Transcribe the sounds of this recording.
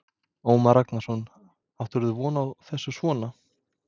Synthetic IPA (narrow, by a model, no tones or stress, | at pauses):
oːwmaɾaknasɔnː | awt̪ʏɾðʏvɔːnaawθɛsːʏsvɔːna